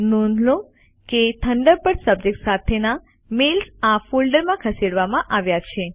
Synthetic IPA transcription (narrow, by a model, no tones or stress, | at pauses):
nonlo | ket̪ʰəɳɖəɾpəɽsəb̚d͡ʒek̚tsat̪ʰena | melsafulɖəɾmãkʰəseɽʋamãʔaʋjat͡ʃʰe